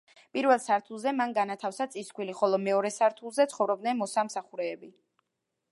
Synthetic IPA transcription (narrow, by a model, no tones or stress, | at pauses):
pʼiɾvɛlˠsaɾt̪ʰulˠzɛmanɡanat̪ʰafsat̪sʼiskʰʼwiliχɔlˠɔmɛɔɾɛsaɾt̪ʰulˠzɛt̪sʰχɔvɾɔbd̪nɛnmɔsamsaχuɾɛːbi